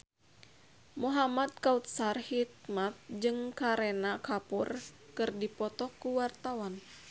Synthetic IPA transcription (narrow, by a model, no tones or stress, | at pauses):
muɦamad̪̚kaut̪̚sarhik̪̚mat̪̚d͡ʒɨŋkaɾɛnakapur | kɨrdipɔt̪ɔkuwart̪awan